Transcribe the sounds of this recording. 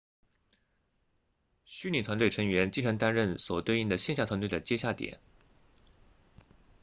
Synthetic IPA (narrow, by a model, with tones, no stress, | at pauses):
ɕy˥nli˨˩t̪ʰwa˧˥nt̪we˥˩ɪɤ˧˥ŋɥɛ˧˥nt͡ɕi˥˧ʈ͡ʂʰɑ˧˥ŋt̪a˥nɻə˥˩nswɔ˨˩t̪we˥˧ɪi˥˩ŋd̪ə˩ɕjɛ˥˧nɕja˥˩t̪ʰwa˧˥nt̪wd̪ə˩t͡ɕjɛ˥ɕja˥˩t̪jɛ̰˨˩˦n